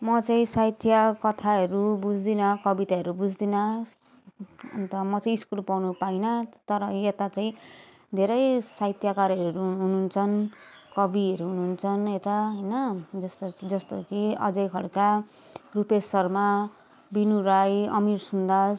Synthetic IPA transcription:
mʌt͡saĩsajt̪ʰjakʌt̪ʰaɦʌɾubud͡zd̪inʌkʌbit̪aʌɾubud͡zd̪inʌ | ʌ̰nt̪ʌmʌt͡saĩiskulpawnupainʌt̪ʌɾʌjet̪at͡saĩ | d̪ʱeɾʌjsajt̪ʰjakaɾʌɾuɦununt͡sʰʌnkʌbiʌɾuɦununt͡sʰʌnet̪aɦʌjnʌd͡zʌst̪d͡zʌst̪okiʌ̰d͡zʌjkʰʌɽka | rupesʌrma | binuɾajʌ̰mirsund̪a

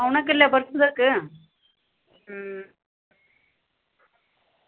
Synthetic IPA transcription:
ʊnɐkːɪlːɐpɐɾsɯðɐkːɯ

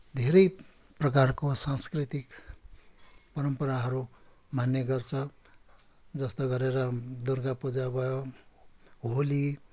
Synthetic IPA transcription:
d̪ʱeɾʌj | prʌkarkosãnskrit̪ik | pʌɾʌmpʌɾaɦʌɾumanjʌɡʌrt͡sʰʌ | d͡zʌst̪oɡʌɾeɾʌd̪orɡapud͡zabʱʌjo | ɦoli

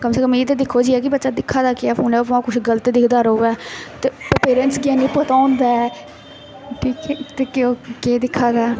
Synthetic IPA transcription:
kəmseːkəmiːt̪eːd̪ɪkʰːoːd͡ʒiːɛːkɪbətːʃaːd̪ɪkʰːaːd̪aːkɪɛːpʰoːnɛ̃ːpãːkʊt͡ʃʰɡələt̪ːd̪ɪkʰd̪aːɾooʋɛːt̪eːpɾepeːɾənsɡaːnĩːpət̪aːõnd̪aːɛ | ʈʰiːkɛt̪eːkekeːd̪ɪkʰːaːd̪aɛ

